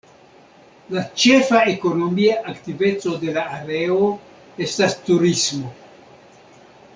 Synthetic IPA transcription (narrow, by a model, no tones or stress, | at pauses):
lat͡ʃe̞faeko̞no̞miaʔaktive̞t͡so̞de̞laːɾe̞o | e̞stastuɾismo̞